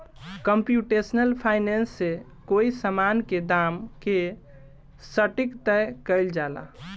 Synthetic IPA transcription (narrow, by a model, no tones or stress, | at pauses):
kəmpjuʈesnəlpʰaɪnensːe | koisəmanked̪aːmke | səʈikt̪ɛkəɪld͡ʒaːla̰